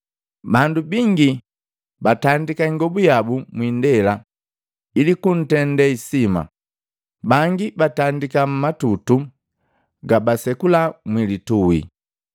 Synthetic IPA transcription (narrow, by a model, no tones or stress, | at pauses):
bandubiŋɡi | batandikaiŋɡɔbujabumwindɛla | ilikun̩tɛndɛisima̰ | baŋɡibatandikam̩matutu | ɡabasɛkulamwilituwḭ